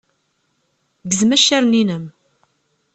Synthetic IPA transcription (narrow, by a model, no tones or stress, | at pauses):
ɡəzmæʃːæɾninəm